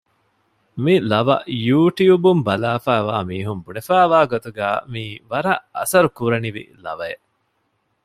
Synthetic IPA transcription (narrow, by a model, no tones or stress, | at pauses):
milɐʋɐ̰ʔjuːʈiubumbɐlaːfæːʋaːmiːɦumbunefæːʋaːɡot̪uɡæːmiːʋɐɾɐʔɐ̰sɐɾukuɾɐniʋḭlɐ̰ʋɐe